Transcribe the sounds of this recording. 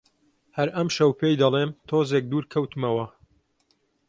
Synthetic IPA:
hɐɾɐmʃɐwpʰejd̪ɐlˠeːnt̪ʰoːzeːk̚d̪uːɾkʰɐwt̪ɨmɐwɐ

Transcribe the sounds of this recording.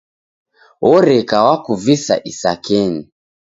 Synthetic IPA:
ɔɾɛkawakuvisa̰ʔisakɛni

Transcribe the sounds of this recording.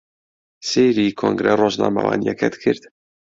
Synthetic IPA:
seːɾikʰoŋɡɾɛroːʒnɑ̰ːmɑvɑ̰ːnijɛkʰɛd̪kʰɨɾt̪

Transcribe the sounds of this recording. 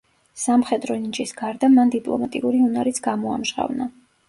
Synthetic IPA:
samχɛd̪ɾɔnit͡ʃʼisɡ̥aɾd̪amand̪ipʼlˠɔ̰mat̪ʼiuɾiunaɾit̪sʰɡ̥amɔa̰mʒʁa̰vna

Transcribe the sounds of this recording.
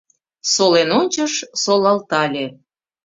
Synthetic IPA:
solenonʲt͡ɕəʃsolɑlt̪ɑlʲe

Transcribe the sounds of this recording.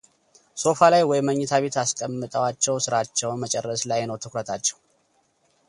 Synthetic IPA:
so̞falajwɔjməɲːɛt̪ʰaβe̞t̪askʼəmːɨt̪ʼəwat͡ʃːɛwsɨɾat͡ʃːɛwnmət͡ʃʼɛrːəslajnəwt̪ʰɨkɾət̪ʰat͡ʃːɛ̥w

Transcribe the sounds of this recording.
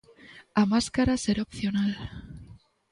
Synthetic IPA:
amaskaɾaseɾopθjo̞nal

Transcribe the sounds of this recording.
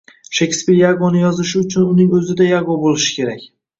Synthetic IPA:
ʃekʲspiɾjaɡonɪjɒzɪʃʊt͡ʃʰʊnʊnɪŋɵzɪd̪ajaɡobolɪʃɪ̥kʲʰe̞ɾakʲ

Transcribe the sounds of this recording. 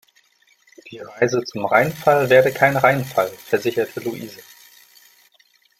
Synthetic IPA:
d̥iːʁaɪzət͡sʊmʁaɪnfalveːɐdəkʰaɪnʁaɪnfalfɛɐzɪçɐtʰəluʔiːzə

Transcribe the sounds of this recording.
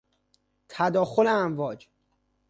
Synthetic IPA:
t̪ʰæd̪ɒːxoleænvɒːd͡ʒ

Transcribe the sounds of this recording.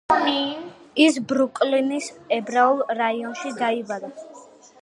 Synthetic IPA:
mi | isbɾukʼlinisɛbɾaulˠɾaiɔnʃid̪aibad̪a

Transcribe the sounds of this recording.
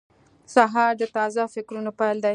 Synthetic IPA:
saɦɑɾd̪ət̪ɑzafɪkɾunopajld̪a

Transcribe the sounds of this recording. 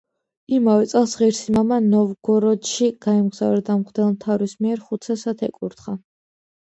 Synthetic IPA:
imavɛt̪sʼɛlˠsʁiɾsimamanɔvɡ̥ɔɾɔd̪ʃiɡ̥aimɡz̥avɛd̪amχd̪ɛlˠmt̪ʰavɾismiɛɾχut̪sʰasat̪ʰɛkʼuɾt̪χa

